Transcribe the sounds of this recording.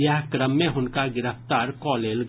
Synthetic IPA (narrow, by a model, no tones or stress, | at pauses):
jəɦkɾəmːẽɦʊnkaɡɪɾəft̪aːɾkɔːleːlɡ